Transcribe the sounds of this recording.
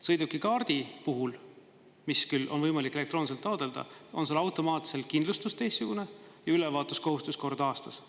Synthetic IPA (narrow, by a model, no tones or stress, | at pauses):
sɤjd̪ukːˑikɑːrd̪̥ipuɦul | miskylːo̞nvɤjmɑlikːˑe̞lekt̪ro̞ːnis̬elt̪ːˑɑod̪̥e̞ld̪̥ɑ̰o̞nselɑwt̪ˑo̞mɑːt̪se̞lkind̪lust̪ust̪ejst̪ːsuɡ̥une̞jɑylɛvɑːt̪ˑusko̞ɦust̪usko̞rd̪̥ɑːst̪ɑs